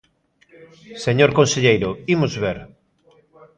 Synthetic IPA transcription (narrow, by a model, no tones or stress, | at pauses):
seɲoɾkõnseʎejɾʊimʊzβeɾ